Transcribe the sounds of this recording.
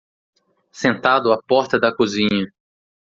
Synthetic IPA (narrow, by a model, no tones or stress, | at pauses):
sẽnt̪ad̪ʊapɔɾt̪ɐd̪ɐkuzĩɲɐ